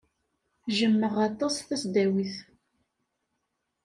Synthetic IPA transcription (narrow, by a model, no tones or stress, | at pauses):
ʒəmːəʁɑt̪ˤɑsθæsd̪æwiθ